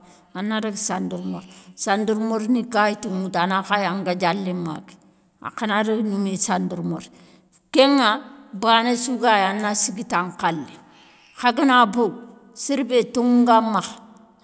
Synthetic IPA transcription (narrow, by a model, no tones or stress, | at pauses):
anːaɾeɡsanduɾmoɾsanduɾmoɾnikajituŋutanaxajaŋɡad͡ʒalːima̰ki̥ | a̰kanaɾiɡnumesanduɾmoɾ | keŋabanesuɡajanːasiɡitaŋkalːi | xaɡinabow | siɾbetuŋɡamax